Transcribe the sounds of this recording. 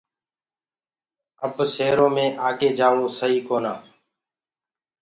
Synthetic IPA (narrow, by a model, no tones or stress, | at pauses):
əbseːɾõːmẽːʔaːkeːd͡ʒaːɽoːsəɦiːkoːnaː